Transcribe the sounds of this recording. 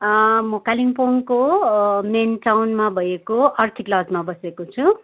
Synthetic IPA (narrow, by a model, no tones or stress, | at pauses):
mokaliŋpoŋkomenʈawnmabʱʌjekoʔʌrt̪ʰiklʌd͡zmabʌsekot͡sʰu